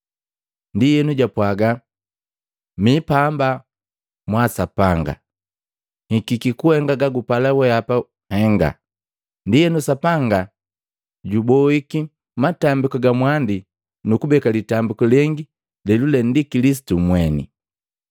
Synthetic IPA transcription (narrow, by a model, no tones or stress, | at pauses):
ndijɛnuɟapwaɡa | mipamba | mwasapaŋɡa̰ | hikikikuɛŋɡaɡaɡupalawɛapa | hɛŋɡa̰ | ndijɛnusapaŋɡa | ɟubɔiki | matambikɔɡamwandi | nukubɛkalitambikɔlɛŋɡi | lɛlulɛndikilis̬i̥tumwɛnḭ